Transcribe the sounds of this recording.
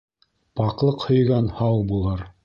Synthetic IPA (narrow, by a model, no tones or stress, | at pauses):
pɑqlˠɤqhɵ̆jɡɑnhɑwbulˠɤɾ